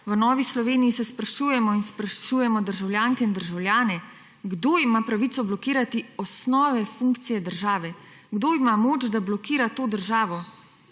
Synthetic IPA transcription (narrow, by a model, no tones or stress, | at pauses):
ʋənɔːʋislɔʋeːnijisɛspɾaʃuːjɛmɔinspɾaʃujɛmɔd̪əɾʒawlʲjaːŋkɛind̪əɾʒawljaːnɛ | ɡd̪oimapɾaʋit̪sɔblɔkiːɾat̪iɔsnɔːʋɛfuŋkt̪sijɛd̪əɾʒaːʋɛ | ɡd̪oːimamoːd͡ʒd̪ablɔkiːɾat̪oːd̪əɾʒaːʋɔ